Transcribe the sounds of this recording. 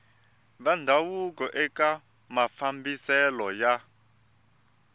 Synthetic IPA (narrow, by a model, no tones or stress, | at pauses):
βandʱawukɔʔɛka | mafambisɛlɔja